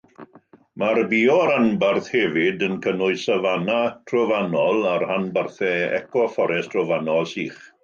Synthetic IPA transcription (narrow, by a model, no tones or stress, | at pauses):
marbiɔɾanbarθhɛvɪdənkʰənʊɨsavanatʰrɔvanɔlˠaɾhanbarθɛɛ̰kɔfɔɾɛstʰrɔvanɔlˠsiːχ